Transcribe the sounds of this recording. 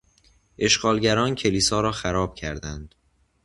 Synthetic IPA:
ʔe̞ʃɡ̥ɒːlɟæɾɒːncʰe̞liːsɒːɾɒːxæɾɒːb̥̚cʰæɾd̪ænd̪̥

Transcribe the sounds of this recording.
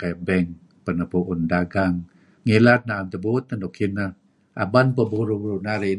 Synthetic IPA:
kajbɛŋ | pənəpuʔʊndaɡaŋː | ilat̪̚naamt̪əbut̪̚nədokʰinəh | ʔa̰banpəbuɾubuɾunaɾi

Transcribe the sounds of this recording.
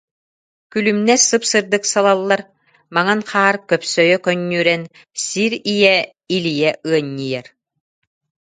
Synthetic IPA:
kylymnɛsɯpsɯɾd̪ɯksalˠalˠːaɾ | maŋanχaːɾkœpsœjœkœɲːyːɾɛn | siɾijɛ | ilijɛʔɯɐɲːijɛɾ

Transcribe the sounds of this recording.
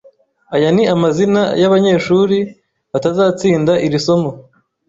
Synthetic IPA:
ajaniamazina̰jaβaɲe̞ːʃuːɾi | βatazaːt͡siːndaʔiɾiso̞mo̞

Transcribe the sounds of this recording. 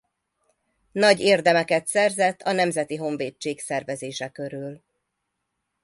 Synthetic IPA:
nɒɟeːrd̪ɛmɛkɛt̪sɛrzɛt̪ːɒnɛmzɛt̪iɦo̞ɱveːt͡ʃːeːksɛrvɛzeːʃɛkø̞ɾyl

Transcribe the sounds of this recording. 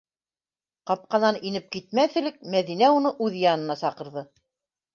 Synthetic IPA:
qɑp̚qɑnɑninɘp̚kit̪̚mæθɘ̆lɘk̚mæðinæunɤʔʉðjɑnɤ̆nɑsɑqɤ̆ɾðɤ

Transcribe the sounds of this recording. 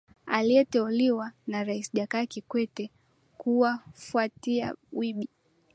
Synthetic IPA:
aliɛtɛuliwanaɾaisʄakaːkikwɛtɛ | kuwafuatia̰wiɓi

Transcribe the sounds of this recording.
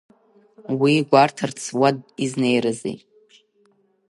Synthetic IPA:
wiɡʷartʰɨrt͡sʰwad̚iznejɾazḭ

